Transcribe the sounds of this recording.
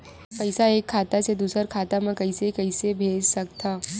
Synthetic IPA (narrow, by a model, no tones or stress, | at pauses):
pɐɪsaeːkʰːaːt̪ased̪uːsəɾkʰaːt̪amãkɐisekɐɪsebʱeːd͡ʒsɐkt̪ʰaː